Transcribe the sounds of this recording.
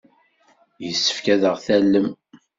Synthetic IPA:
jəsːə̥fkæðəʁθælːəm

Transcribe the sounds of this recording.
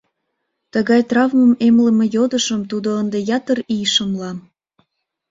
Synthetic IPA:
t̪əɣɑjt̪rɑvməmemləmejod̪əʃəmt̪ud̪oənd̪ejɑt̪ərijʃəmlɑ

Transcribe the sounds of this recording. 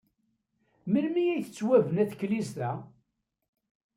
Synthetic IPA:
mənmijæjθət͡sːwævənæθkːlist̪æ

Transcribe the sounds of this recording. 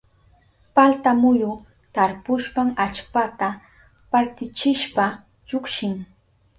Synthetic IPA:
palt̪amʊjʊ | t̪aɾpʊʃpaŋat͡ʃpat̪a | paɾt̪ɪt͡ʃɪʃpa | t͡ʃʊkʃɪŋ

